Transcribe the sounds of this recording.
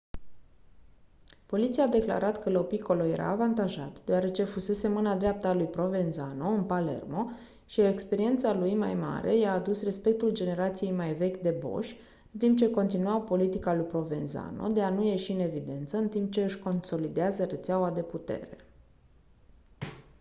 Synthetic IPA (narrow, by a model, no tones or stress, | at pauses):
po̞lit̪siaːd̪e̞kla̰ɾʔat̪kəlo̞piko̞loje̞ɾʔa̰ːvant̪aʒa̰t̪d̪eoaɾe̞t͡ʃe̞fuse̞se̞mɨnad̪ɾeap̚t̪alujpɾo̞ve̞nzano̞ɨnpale̞̰rmo̞ | ʃiekspe̞ɾie̞nt̪salujma̰jma̰ɾʔe̞̰jaːd̪usre̞spe̞k̚t̪uld͡ʒe̞ne̞ɾat̪sije̞jmajve̞kʲd̪e̞bo̞̰ʃʲ | ɨnt̪imp̚t͡ʃe̞ko̞nt̪inuapo̞lit̪ikalujpɾo̞ve̞nza̰no̰d̪e̞anuje̞ʃiɨne̞vid̪e̞nt̪səɨnt̪imp̚t͡ʃe̞ɨʃʲko̞nso̞lid̪eazəɾe̞t̪seawad̪e̞put̪e̞̰ɾe̞